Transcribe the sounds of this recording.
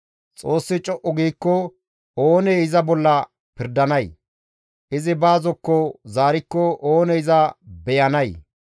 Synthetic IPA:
t͡sʼo̞ːsːɪt͡ʃʼɔʔːɔɡiːkːɔ | oːnɛɪzɐbɔlːɐ | pɪɾd̪ɐnɐj | ʔɪzɪbaːzɔkːɔzaːɾɪkːɔʔoːnɛɪzɐbɛjɐnɐj

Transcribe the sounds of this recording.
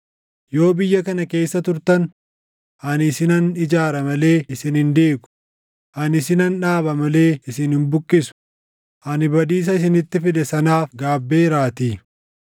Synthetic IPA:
jo̞ːbɪjːɐkɐnɐke̞ːsːɐt̪ʊɾt̪ɐn | ʔɐnɪsɪnɐnɪd͡ʒaːɾɐmɐle̞ːɪsɪnɪnd̪eːɡʊ̥ | ʔɐnɪsɪnɐnᶑaːbɐmɐle̞ːɪsɪnhɪmbʊkʼːɪsʊ̥ | ʔɐnɪbɐd̪iːs̬ɐɪs̬ɪnɪt̪ːɪfɪd̪ɛsɐnaːfɡaːbːe̞ːɪɾaːt̪iː

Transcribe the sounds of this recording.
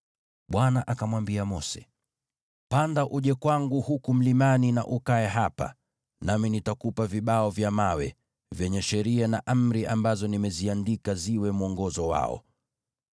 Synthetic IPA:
ɓwanaʔakamwambiamɔsɛ̥ | pandaʔuʄɛkwaŋɡuhukum̩limanina̰ʔukaɛɦapa̰ | naminitakupaviɓaɔvjamawɛ̰ | vjɛɲɛʃɛɾianaʔam̩ɾiʔambazɔnimɛziandikaziwɛmuɔŋɡɔzɔwa̰ɔ̰

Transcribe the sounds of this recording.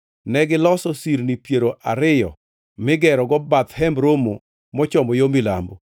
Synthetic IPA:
nɛɡɪlɔsɔsiɾnipjeɾoʔaɾɪjɔ̰ | mɪɡɛɾɔɡɔbat̪hɛmbɾomo | mɔt͡ʃɔmɔjomila̰mbo

